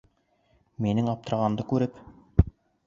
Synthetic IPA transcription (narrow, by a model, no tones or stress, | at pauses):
minɘŋɑp̚t̪ɤ̆ɾʁɑnd̪ɤkʉɾɘp